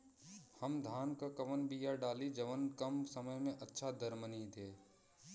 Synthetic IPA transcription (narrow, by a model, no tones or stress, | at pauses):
həmd̪ʱaːnkakɐʋənbiːjaɖaːlid͡ʒɐʋənkɐmsɐməjmẽʔɐtːʃʰad̪əɾmənid̪eː